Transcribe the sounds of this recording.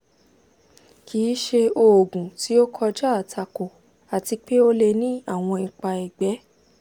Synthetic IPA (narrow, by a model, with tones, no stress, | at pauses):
kʰiː˨˦ʃe˧o˧˨o˨ɡũ˨ti˨˦o˦kʰɔ˧d͡ʒa˦a˨tʰa˧ko˨ | a˨ti˧k͡pe˦o˦le˧nĩ˦a˦˨w̃ɔ̃˧i˨k͡pa˧i˨ɡ͡bɛ˨˦